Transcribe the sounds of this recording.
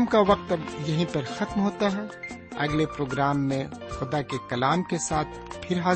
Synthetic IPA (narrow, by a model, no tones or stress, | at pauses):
mkaʋɐq̚t̪ɐbjɐɦĩpɐɾxɐt̪mɦoːt̪aɦɛ | ɐ̰ɡlepɾoːɡɾaːmːẽ | xʊd̪akekɐlaːmkesaːt̪̚ʰpʰɪɾɦaː